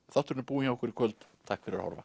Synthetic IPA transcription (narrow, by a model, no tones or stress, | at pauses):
θaht̪ɾnpuːiŋaɔhkvɪɾikʰvœlt̪t̪ʰːahkfɪɾɪɾaha̰ɾva̰